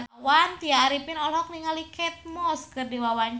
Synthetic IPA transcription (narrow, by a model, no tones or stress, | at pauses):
want̪iaɾipɪnɔlɔk̚niŋalikɛt̪̚mɔskɨrdiwawaɲ